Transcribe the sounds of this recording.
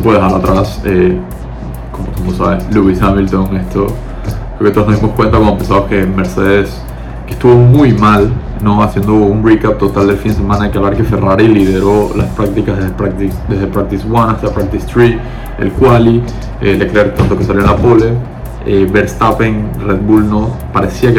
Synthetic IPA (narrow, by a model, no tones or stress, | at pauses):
upeðehalat̪ɾase | komot̪umusa̰βesluisamilt̪oŋest̪ʰo | ɾeoket̪oonoðimoskwe̞nt̪akwanopensaβokeme̞ɾse̞ðes | kest̪uβomujmal | no̞asje̞nd̪o̞unbikap̚t̪o̞t̪ald̪elfind̪e̞s̬e̞mãnaðekealaɾxefe̞raɾiliðeɾo̞laspɾak̚t̪ikazðeepɾakt̪id̪ezðepɾak̚t̪iswanast̪apɾak̚t̪ist̪ɾi | ḛlkwali | elekɾeaɾt̪ant̪oke̞s̬aljo̞enlapole | eβeɾst̪apeŋred̪̚bulnopaɾesiake